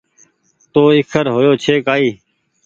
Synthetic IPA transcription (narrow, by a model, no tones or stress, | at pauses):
t̪oːɪkʰəɾɦoːjoːt͡ʃʰeːkaːiː